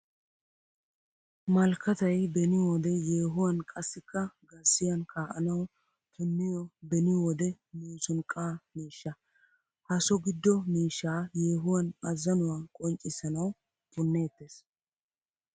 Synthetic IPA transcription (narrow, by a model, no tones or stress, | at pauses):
mɐlkʰːɐt̪ɐjbɛnɪwɔd̪ɛjeːɦʊwɐnkʼɐsːɪkːɐɡɐsːɪjɐnkʰaːʔɐ̰nɐw | kʰɛmːɪjɔbɛnɪwɔd̪ɛ | miːsʊnkʼːaːmiːʃːɐ | hɐsɔɡɪd̪ːɔmiːʃːaːjeːɦʊwɐnɐzɐnʊwakʼɔnt͡ʃʼɪsɐnɐw | bʊnːe̞ːt̪ːeːs